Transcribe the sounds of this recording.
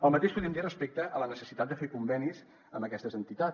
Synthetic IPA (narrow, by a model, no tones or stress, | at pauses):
əlˠmət̪eʃpuðɾimd̪irəspek̚t̪əʔələnəsə̥sit̪at̪̚d̪əfekumbɛniz | əmbəkɛst̪əzənt̪it̪a